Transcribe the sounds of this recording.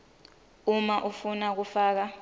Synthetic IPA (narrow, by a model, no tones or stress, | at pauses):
umaʔufunak̬ufaːk̬a